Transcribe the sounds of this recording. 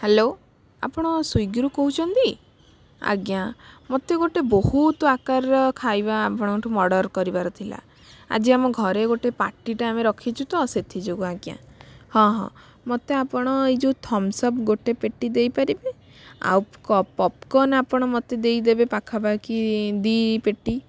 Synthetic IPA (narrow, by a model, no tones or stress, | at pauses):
helo | a̰pɔɽ̃ɔsujɡɾukoɦut͡ʃʰɔnt̪i | a̰ɡjamot̪eɡoʈebohut̪ɔakaɾɔkʰajbaːpɔɽ̃ɔkʈʰumɔɽɔɾkɔɾibaɾɔt̪ʰila̰ | a̰d͡ʒiamɔɡʱɔɾeɡoʈepa̰ʈiʈaːmeɾɔkʰit͡ʃʰut̪ɔset̪ʰid͡ʒoɡuaɡja̰hɔ̃ɦɔ̰̃ | mot̪eapɔɽ̃ɔid͡ʒut̪ʰɔmsɔbɡoʈepeʈːid̪ejpaɾibe | a̰wpkɔpɔp̚kɔnapɔɽ̃ɔmɔt̪ed̪ejd̪ebepakʰabakid̪ipeʈːi